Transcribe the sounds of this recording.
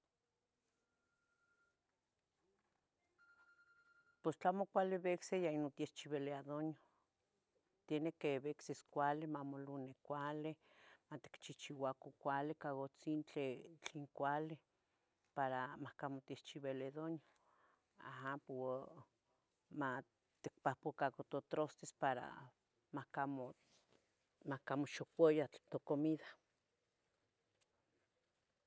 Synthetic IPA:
post͡ɬamokʷaleβeksejainot̪jeht͡ʃiβeleaðoɲjo | t̪jenekeβekseskʷalemamolunekʷale | mat̪i̥kt͡ʃiht͡ʃiwakokʷalekaɣot͡sint͡ɬet͡ɬeŋkʷali | paɾamahkamot̪iht͡ʃiβeleðonja | a̰ɦampo | ma | t̪ik̚pahpokakot̪ot̪ɾost̪espaɾa̰ | makamo | makamoʃokʷojat̪okomiðḁ

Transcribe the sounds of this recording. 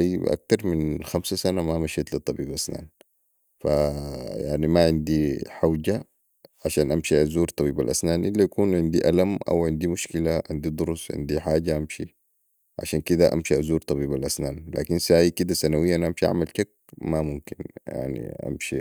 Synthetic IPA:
jʔa̰k̚t̪ɑɾˤminxamsasanamamaʃeːt̪lit̪ˤːɑbiːbʔasna̰ːn | fajaʕnimaʕɪnd̪iħad͡ʒa | ʕaʃaːnʔamʃiazuːɾt̪ˤɑbiːbalʔa̰snaːnʔilːajakuːnʕɪnd̪iʔalamʔa̰wʕɪnd̪imuʃkilaʕɪnd̪id̪ˤʊɾusʕɪ̰nd̪iħaːɟaʔamʃi | ʕa̰ʃaːnkid̪aʔa̰mʃiazuːɾt̪ˤɑbiːbalʔasnaːnla̰ːkinsaːjikid̪asanawijːaʔanaamʃiʔa̰ʕmalʃak̚ | mamumkinja̰ʕnḭʔa̰mʃi

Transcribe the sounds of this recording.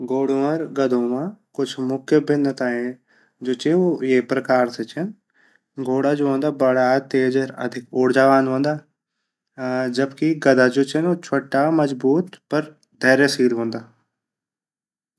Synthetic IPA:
ɡoːɽoːəɾɡɐd̪ʱõːmãːkʊt͡ʃʰmʊkʰjəbɪnːət̪aːẽ | d͡ʒoːt͡ʃeojeːpɾɐkaːɾset͡ʃɐn | ɡoːɽad͡ʒoːɦõːnd̪aːbɐɽat̪eːd͡ʒəɾɐ̰d̪ʱɪkoːɽd͡ʒaːʋaːnɦõːnd̪aː | d͡ʒɐbkiɡɐd̪ʱaːd͡ʒoːt͡ʃɐnoːt͡ʃʰoʈːamɐd͡ʒbuːt̪pɐɾ | d̪ʱeːɾesiːlɦõːnd̪aː

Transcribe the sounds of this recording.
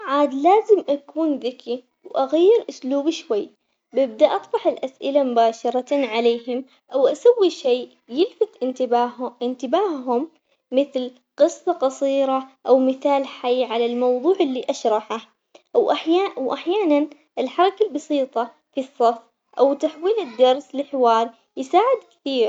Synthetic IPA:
ʕaːd̪laːzɪmʔakuːnðɪkʰi | wʔaɣajːɪɾʔʊsluːbɪʃwajː | bɪb̚d̪aʔɑt̪ˤbɑħɪlʔasʔɪlamʊbaːʃɑɾˤɑʕaleːɦɪm | ʔawʔasawːiʃeː | jɪlfat̪ʔɪnːɪnt̪ɪbaːhɦʊmː | ɪθl | qɨsˤːɑqɑsˤiːɾɑʔawmɪθaːlħajːʕalalmɑwðˤuːʕɪlːiʔaʃɾˤɑħah | wʔaħjawʔaħjaːnan | ʔɪlħɑɾˤɑkalbɑsiːt̪ˤɑ | fisˤːɑf | ʔawt̪aħwiːlɪd̪ːɑɾˤslɪħɪwɑːɾˤ | jɪsaːʕɪd̪kɪ̥θiːɾ

